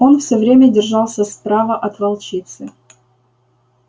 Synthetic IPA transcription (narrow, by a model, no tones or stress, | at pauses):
o̞nfsʲɵvɾʲemʲədʲɪrʐɑlˠsʲəspɾavəʔɐt̪vɐlˠt͡ɕit̪sɨ